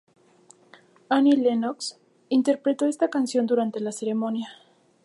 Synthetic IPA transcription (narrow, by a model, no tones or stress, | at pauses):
anilenoks | int̪e̞ɾpɾe̞t̪o̞e̞st̪akansjo̞nd̪uɾant̪e̞lase̞ɾe̞monja